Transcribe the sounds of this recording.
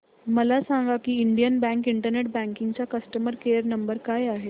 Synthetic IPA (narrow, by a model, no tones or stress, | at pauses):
məlasaŋɡakiːiɳɖijənbæ̃ŋkiɳʈəɾneʈ̚bæ̃ŋkiŋɡt͡ɕakəsʈəməɾkeəɾnəmbəɾkajaɦe